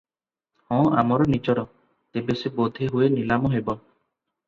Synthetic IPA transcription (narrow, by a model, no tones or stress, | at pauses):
hɔ̃a̰mɔɾɔnit͡ʃɔɾɔ | t̪ebesebod̪ʱeɦuenilamɔɦebɔ